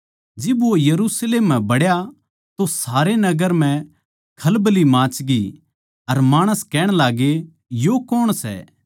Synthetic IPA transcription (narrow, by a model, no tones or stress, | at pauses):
d͡ʒɪbojɐɾusleːmːɛ̃bɐɽja | t̪osaːɾenɐɡəɾm̤ɛ̃ | kʰɐlbəlimãːt͡ʃɡi | ɐɾmaːɽ̃əskɛːɽ̃laːɡe | jokɔːɽ̃sɛ̰ː